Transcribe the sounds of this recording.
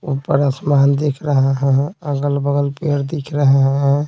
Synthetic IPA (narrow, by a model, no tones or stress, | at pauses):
upəɾəsmand̪ekʰɾəɦɛɦɛ̃əɡəlbəɡəlpeɾd̪ikʰɾəɦɛɦɛ̃